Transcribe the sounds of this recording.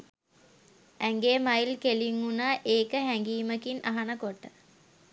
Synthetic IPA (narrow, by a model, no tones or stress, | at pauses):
æŋɡemajlkeliŋːunaːʔeːkəɦæŋɡiːməkinʔa̰ɦanəkoʈːə